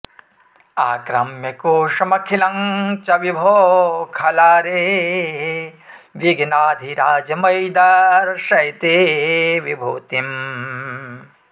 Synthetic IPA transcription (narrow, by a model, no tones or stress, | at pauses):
aːkɾɐmjɐkoːʂɐmɐkʰilɐŋt͡ʃɐʋibʱoːkʰɐlaːɾeɦ | ʋiɡnaːd̪ʱiɾaːd͡ʒɐmɐjd̪ɐɾʃɐjt̪eːʋibʱuːt̪im